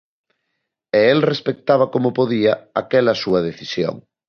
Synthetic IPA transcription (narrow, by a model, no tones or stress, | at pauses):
eelrespek̚t̪aβ̞ɐkomʊpoðiɐakɛlɐsuɐðeθisjo̰ŋ